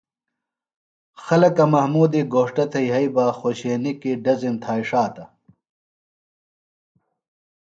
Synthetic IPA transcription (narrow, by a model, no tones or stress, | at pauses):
xɐlɐkɐmɐhmuːd̪iɡoːʂʈɐt̪ʰɐjɦɐibaxoːɕeːnikiɖɐzimt̪ʰaːiʂaːt̪ɐ